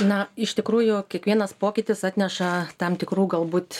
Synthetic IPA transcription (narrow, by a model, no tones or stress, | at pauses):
nɐɪʃt̪ʲɪkɾuːjʊkʲiɛkʋʲiɛnɐspoːkʲɪt̪ʲɪsɑːt̪ʲnʲɛʃɐt̪ɐmt̪ʲɪkɾuːɡɐlˠbuːt̪